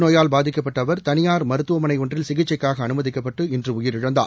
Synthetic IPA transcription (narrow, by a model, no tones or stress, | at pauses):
noːjaːlbaːðɪkːɐpːɐʈːɐʋɐɾt̪ɐnɪjaːɾmɐɾɯt̪ːɯʋɐmɐnɐɪɔɳdrɪlsɪɣɪt͡ʃːɐɪkːaːɣɐːnɯmɐðɪkːɐpːɐʈːɯɛndrɯʊjɪɾɪɻɐnd̪a̰ː